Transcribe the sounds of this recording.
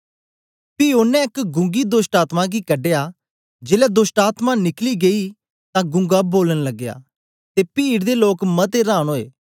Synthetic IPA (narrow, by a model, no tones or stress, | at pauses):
piːonːɛ̃ɪkɡʊ̃ŋɡiːd̪ʊsʈaːt̪mãɡiːkəɖejaː | d͡ʒeːlɛːd̪ʊsʈaːt̪manɪkliːɡeiː | t̪ãːɡʊ̃ŋɡaːboːlənləɡːeja̰ː | t̪eːpiːɽd̪eːloːkmət̪eɾãːñɦoːḛː